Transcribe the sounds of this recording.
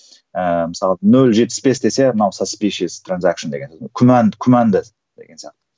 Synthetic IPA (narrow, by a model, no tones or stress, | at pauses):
əməsɑlˠənɵlʒet̪̚pːɪ̥sbe̞sd̪e̞se̞mənɑwsaspiʃizt̪ranzakʃənd̪e̞ɡʲenkʲʰʊmænd̪kʲʰʊmand̪ə | d̪̥e̞ɡe̞nsijaqt̪ə